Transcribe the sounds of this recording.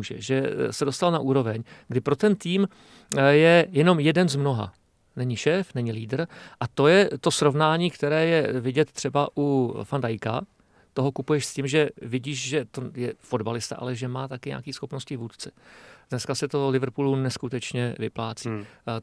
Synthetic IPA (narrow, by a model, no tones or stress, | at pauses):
uʒɛ̰ʒɛsɛdost̪alnaʔuːɾo̞vɛɲɡdɪpɾot̪ɛnt̪iːm | jɛjɛno̞mjɛdɛnzmno̞ɦa̰ | nɛɲɪʃɛːfnɛɲɪliːdr̩ʔat̪o̞jɛt̪o̞sɾo̞vnaːɲiːkt̪ɛɾɛːjɛvɪɟɛt̪ːr̥ɛbaʔufandajka | t̪oɦo̞kupujɛʃscɪmʒɛvɪɟiːʃʒɛt̪o̞jɛfo̞dbalɪst̪a̰ʔa̰lɛʒɛmaːt̪akɪɲa̰ːkiːsxo̞pnoscɪvuːt̪t͡sɛ̥dnɛskasɛt̪olɪvr̩puːlunɛskut̪ɛt͡ʃɲɛvɪplaːt͡si